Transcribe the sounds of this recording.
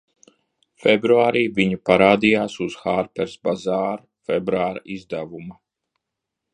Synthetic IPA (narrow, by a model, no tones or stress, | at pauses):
fɛbɾuaːɾiːviɲupaɾaːd̪ijaːsuz̥xaɾpɛɾsbazaːɾ | fɛbɾuaːɾa̰izd̪avuma